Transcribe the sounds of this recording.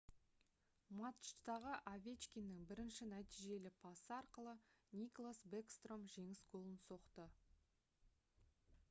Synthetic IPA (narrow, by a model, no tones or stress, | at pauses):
mat̪ʃt̪ɑʁəʔavʲe̞t͡ʃkʲinːɪŋbɪɾɪnʃɪnæt̪ijʒe̞lɪpʰɑsəɑɾqəlˠənʲiklˠasbekst̪ro̞mʒe̞ŋɪsɡo̞lˠənso̞qt̪ə